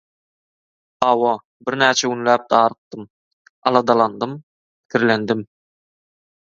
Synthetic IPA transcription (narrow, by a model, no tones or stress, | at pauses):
ɑwɑ | biɾnæːt͡ʃʰæɡunlæːp̚d̪ɑːɾɯt̪̚ːɯm | ɑlˠɑd̪ɑlˠɑnd̪ɯm | pi̥kʰiɾlend̪im